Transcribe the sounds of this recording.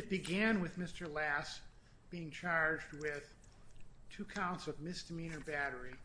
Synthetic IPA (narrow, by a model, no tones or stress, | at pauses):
ɨt̚b̥ɨɡæ̃nwɨðmɪstə˞læs | b̥iɪ̃ŋt͡ʃʰɑɹd͡ʒd̚wɪð̥ | tʰʉkʰãʊ̃ntsʌvmɪsd̥ɨmĩñə˞bæɾə˞i